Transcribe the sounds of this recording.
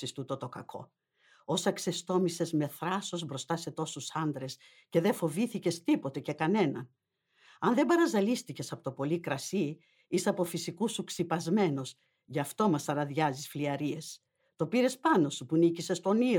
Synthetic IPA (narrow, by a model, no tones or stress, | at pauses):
ist̪ut̪ot̪o̞kɐ̰kʰo̰ | o̞sɐkse̞st̪o̞mise̞zme̞θɾɐso̞zbɾo̞st̪ɐse̞t̪o̞susɐnd̪ɾe̞s | ce̞ðe̞fo̞viθice̞st̪ipo̞t̪e̞ce̞kɐne̞nɐn | ɐnðe̞bɐɾɐzɐlist̪ice̞sɐpot̪opo̞likɾɐsi | isɐpo̞fisikusuksipɐzme̞no̞s | ʝɐft̪o̞mɐsɐɾɐðʝɐzisfliɐɾie̞s | t̪o̞piɾe̞spɐno̞supunicise̞st̪o̞ni